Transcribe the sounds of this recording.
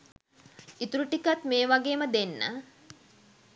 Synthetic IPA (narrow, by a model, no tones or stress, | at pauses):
it̪uɾuʈikat̪meːʋaɡeːməd̪enːə̰